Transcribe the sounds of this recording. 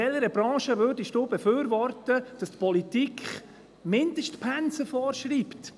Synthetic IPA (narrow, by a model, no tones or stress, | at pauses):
ɛləɾəbɾɑ̃ːʃəvøːɾdɪʃtoːbɛfʏːɾvɔɾtəd̥ɑstpʰɔlitikʰχ | mɪnd̥əʃtpʰænsəfɔːɾʃɾiːpt